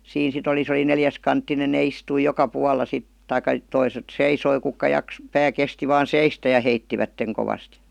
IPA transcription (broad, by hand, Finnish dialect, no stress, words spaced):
siːn sit oli se oli neljæskɑntːinen ne istui jokɑ puɑlːɑ sit tɑikːɑ toiset seisoi kukːɑ jɑk pæː kesti ʋɑːn seistæ jɑ heitːiʋætːeŋ koʋɑst